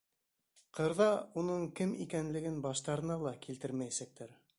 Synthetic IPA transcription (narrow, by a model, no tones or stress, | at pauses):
qɤ̆ɾðɑunɤɴkɘmikænlɘ̆ɡɘnbɑʃt̪ɑɾɤ̆nɑlˠɑkilt̪ɘɾmæjæsæk̚t̪ʰæɾ